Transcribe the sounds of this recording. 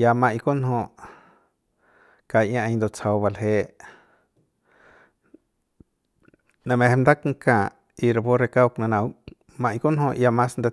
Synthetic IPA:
ja˧mã˧jko˦nɦõ˧ | ka˧ʔjã˦ʔa˧jnd̪o˧t͡sa˧wba˧lɦe˧ | nã˧mẽ˧he˧mnd̪a˦kŋ˧kã˧˨ | i˧ɾa˧bo˦ɾe˧ka˦wknã˧nã˧w | mã˧jko˦nhõ˧ja˧mã˦snd̪e˧

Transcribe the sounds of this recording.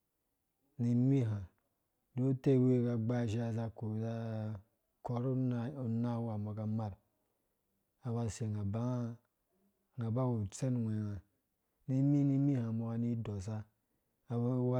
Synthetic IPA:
ni˨mi˦ɦa˨ | do˦te˦we˦ka˨ɡ͡ba˦ʒa˦za˦ko˨za˦ | ko˨ɾu˦na˨u˨na˦wa˨ma˨ka˦ma˦ɾ | a˨wa˨se˨ŋa˨ba˦ | ŋa˨ba˦wu˨t͡se˦nwʷe˨ŋa˨ | ni˦mi˦ni˦mi˦hã˨mo˨ka˨ni˦do˨s̬a˦ | a˨˦wa˦

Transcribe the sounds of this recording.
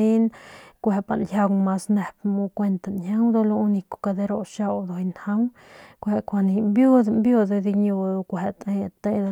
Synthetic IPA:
i˦nkʷe˧pa̰˨nja˧wma˧sne˧p̚mu˧kʷe˧nt̪a˨nhja˦wd̪o˧lo˧u˧ni˧ko̥˨ka˧d̪e˧ɾo˧ʃa˦˧wd̪o˧˨i˧nha˦w | kʷe˧ʔkʷa˧ni˧mbju˦d̪mbju˦˧d̪e˧d̪i˧ɲu˧d̪o˧kʷe˧˨t̪e˧ja˧t̪e˧d̪

